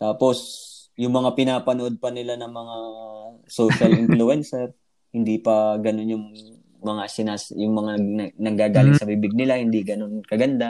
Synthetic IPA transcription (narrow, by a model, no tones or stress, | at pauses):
t̪aːpo̞s | jʊŋmɐŋapɪnaːpɐnoʔo̞d̪̚pɐnɪlanɐŋmɐŋa | soːʃɐlʔɪnflʊɛnsɛɾ | hɪnd̪ipɐɡɐno̞njʊŋ | mɐŋasɪnaːsjʊŋmɐŋanɐnɐŋɡaːɡaːlɪŋsɐbɪbɪɡ̚nɪlahɪnd̪iɡɐno̞nkɐɡɐnd̪a